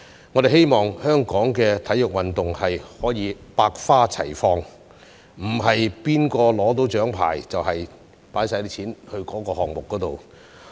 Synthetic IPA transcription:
ŋɔ˨˧t̪e˨jhe˥jmɔː˨ŋhœː˥ŋkɔː˨˥ŋkɛː˧t̪ʰɐ˨˥jʊ˨k̚wɐ˨nt̪ʊ˨ŋhɐ˨jhɔː˨˥jiː˨˧˥paː˧k̚faː˥t͡sʰɐ̰˨˩jfɔː˧ŋ | m̩˨˩ɦɐ˨jpiː˥nkɔː˧lɔː˨˥t̪o˨˥wt͡ʃœː˨˥ŋpʰa̰ː˨˩jt͡sɐ˨whɐ˨j | paː˨˥jsaː˧t̪i˥t͡ɕʰiː˨˥nhɵ˧ɥkɔː˨˥kɔː˧hɔː˨ŋmʊ˨k̚ːɔː˨˥t̪o˨w

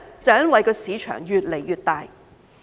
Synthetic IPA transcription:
t͡sɐ˨˩wjɐ˥nwɐ˨jkɔː˧siː˨˧˥t͡ʃʰœ̰ː˨˩ŋjyː˨t̚le˨˩jjyː˨˩t̚t̪aː˨j

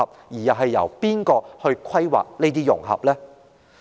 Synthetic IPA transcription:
ɐ˨p̚jiː˨˩jɐ˨˩ɦɐ˨jːɐ̰˨˩wpiː˥nkɔː˧hɵ˧ɥkʷʰɐ˥jwa̰ː˨k̚ne˥jt̪iː˥jʊ˨˩ŋɦɐ̰˨p̚lɛː˥

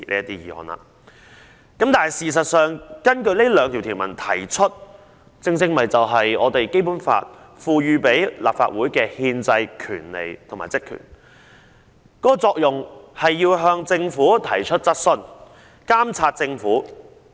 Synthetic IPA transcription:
lḭ˥jɐ˥t̪iː˥jiː˧ɔ̰ː˨˧nla̰ː˧ | kɐ˨˥mt̪aː˨nhɐ˨jsiː˨s̬ɐ˨t̚sœː˨ŋkɐ˥nkɵ˧ɥle˥lœː˨˧ŋt̪ʰi˨wt̪ʰiː˨˩wmɐ̰˨˩nt̪ʰɐ̰˨˩jt͡ʃʰɵ˥t̚ | t͡sɪ˧ŋt͡sɪ˧ŋmɐ˨˩jt͡sɐ˨wɦɐ˨jɔ̰ː˨˧t̪e˨jke˥jpuː˨˥nfa̰ː˧t̚ | fuː˨ɥyː˨˧pe˨˥jla̰ː˨pfa̰ː˧t̚wuː˨˥jkɛː˧hiː˧nt͡sɐ˧jkʰy̰ː˨˩nlḛ˨˩jt̪ʰŋmaː˨jt͡sɪ˥kʰːy̰ː˨˩n | kɔː˨˥kɔː˧t͡sɔː˧k̚jʊ˨ŋhɐ˨jːiː˧wɦœː˧ŋt͡sɪ˧ŋfuː˨˥t̪ʰɐ˨˩jt͡ʃʰɵ˥t̚t͡sɐ˥t̚sɵ˧n | kaː˥mt͡sʰaː˧t̚t͡sɪ˧ŋfuː˨˥

